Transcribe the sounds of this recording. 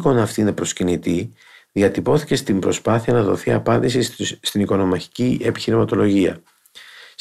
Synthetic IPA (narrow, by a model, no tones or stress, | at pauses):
ko̞nɐːft̪iinepɾo̞scinit̪i | ðiɐt̪ipo̞θi̥ce̞st̪imbɾo̞spɐθiɐnɐðo̞θiɐpɐnd̪isist̪iniko̞no̞mɐçi̥cie̞pi̥çiɾimɐt̪o̞lo̞ʝiɐ̰